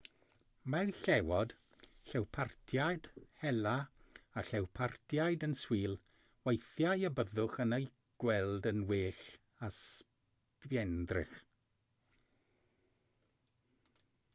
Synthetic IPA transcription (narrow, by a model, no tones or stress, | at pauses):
mɛwɬɛwɔd̥ | ɬɛwpʰartʰjajd̥hɛlaaɬɛwpʰartʰjajdənswiːlˠ | wejθjajəbəðʊχənəj | ɡ̥wɛlˠdənweːɬ | as | pjɛndrɪ̰χ